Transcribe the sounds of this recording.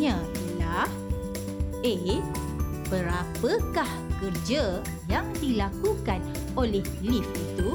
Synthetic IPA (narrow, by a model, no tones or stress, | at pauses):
ɲã | lah | e | bəɾapəkahkərd͡ʒə | jaŋdilakukan | olɛhlifit̪u